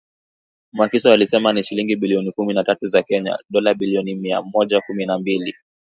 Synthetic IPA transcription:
muafisaalisɛmaniʃiliŋɡiɓiliɔnikuminatatuzakɛɲa̰ɗɔlaɓiliɔnimia̰mɔʄakuminambili

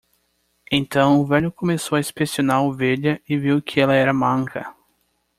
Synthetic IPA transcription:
ẽnt̪ɐ̃w̃ʊvɛʎʊkõmesowɐispesionaɾoveʎɐɪviwkʰɪɛlɐɛɾɐmɐ̃ŋkʰɐ̰

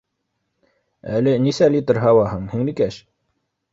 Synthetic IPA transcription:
æ̰lɘnisælʲit̪ɤrɦɑwɑɦɤɴhiŋnikæʃ

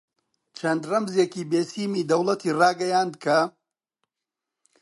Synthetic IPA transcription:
t͡ʃʰɐnd̪rɐmzjekiːbeːsiːmiːd̪ɐwlˠɐt̪ʰiːrɑːɡɐjaːnd̪kʰɐ

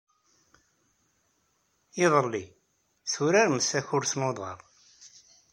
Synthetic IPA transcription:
ɪðˤəlːi | θuɾaɾməsæçʊɾθnoðˤə̰ɾˤ

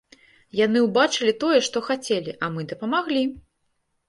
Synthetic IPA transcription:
janɨwbat͡ʂɨlʲit̪ɔjɛʂt̪ɔxat͡sʲelʲiʔɐmɨd̪ɐpɐmaɣlʲi

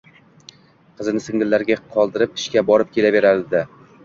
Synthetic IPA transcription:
qʰɨzɪnɪsɪŋɪlːaɾɡʲaqʰɒlˠd̪ɪɾɪpɪ̥ʃkʲabɒɾɪp̚kʲʰe̞lave̞ɾaɾɪd̪ɪ

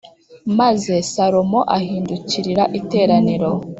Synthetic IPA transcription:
maze̞saɾomo̞ʔahiːnduciɾiɾaʔite̞ːɾaniɾo̞

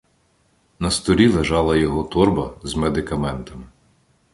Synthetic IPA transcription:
nɐst̪ɔlʲilˠeʒɑlˠɐjɔɦɔt̪ɔrbɐzmed̪ɪkɐmɛnt̪ɐmɪ

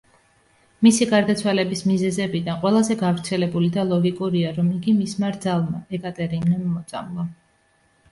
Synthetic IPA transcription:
misiɡaɾd̪at̪sʰwalɛbismizɛzɛbid̪anqʼwɛlˠazɛɡavɾt̪sʰɛlɛbulid̪alˠɔɡikʼuɾiaɾɔmiɡimismaɾd̪zalˠmaɛkʼat̪ʼɛɾimnɛmːɔt̪sʼa̰mlˠa

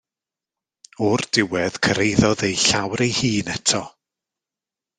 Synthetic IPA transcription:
ɔrd̥ɪwɛð̥kʰəɾejðɔðejɬawɾejhiːnɛtʰɔ

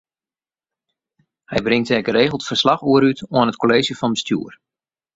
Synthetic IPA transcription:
hɛjbrɪŋtɛɡəreːɣlˠtfərslaχuəɾytʰoənət̚koleːzjəfɑnbəstjṵər

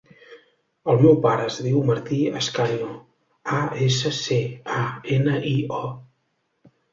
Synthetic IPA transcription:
əlˠmewpaɾəːzðiwməɾt̪iəskaɲo | aesəseaenəʔiɔ

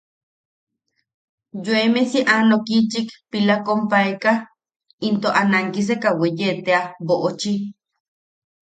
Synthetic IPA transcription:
joemesiʔanokit͡ʃikpilakompaeka | int̪oʔanaŋkis̬ekawejet̪eaboʔot͡ʃi

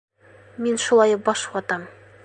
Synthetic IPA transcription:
minʃulˠɑj̚bɒʃwɒt̪ɑm

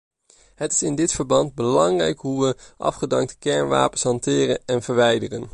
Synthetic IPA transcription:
ɦətɪ̥sɪndɪtfəɹbɑnd̚bəlɑŋrɛ̰jkɦuʋəʔɑ̰fχədɑŋk̚təkɛɹnʋa̰ːpənsɦɑntɪːrənɛnvəɹʋɛjdərən

